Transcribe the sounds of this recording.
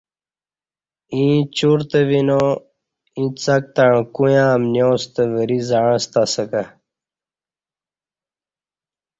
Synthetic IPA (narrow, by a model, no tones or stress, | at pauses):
ĩːt͡ɕuɾt̪eʋino | ĩt͡sɐk̚t̪aɳ̃kujãːmnjoːst̪əʋəɾizãst̪asəka